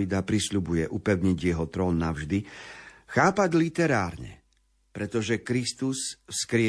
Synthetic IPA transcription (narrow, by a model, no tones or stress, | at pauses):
id̪apɾisʎubujɛʔupɛʊɲiɟjɛɦɔt̪ɾɔːnːaʊʒd̪ixaːpaɟlit̪ɛɾaːɾɲɛ̰ | pɾɛt̪ɔʒɛkɾist̪usfskɾɪɛ